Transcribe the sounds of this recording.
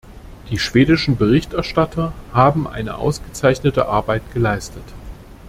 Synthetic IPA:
d̥iːʃv̥eːdɪʃn̩bəʁ̞ɪçtɛɐʃtatʰɐhaːbm̩ʔa̰ɪnə̰ʔa̰ʊsɡ̥ət͡saɪçnətə̰ʔa̰ɐbaɪt̚ɡ̥əlaɪstʰət

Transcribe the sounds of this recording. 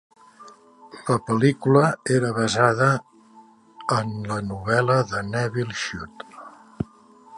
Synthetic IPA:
ləpəlikuləeɾəβəzaðə | ənlənuβ̞ɛləðənɛβilˠʃut̪

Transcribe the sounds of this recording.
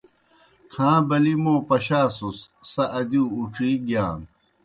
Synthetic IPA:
kʰãːbɐlimoːpɐɕaːsusːɐʔɐd̪uːuʈ͡ʂʰiːɡjaːn

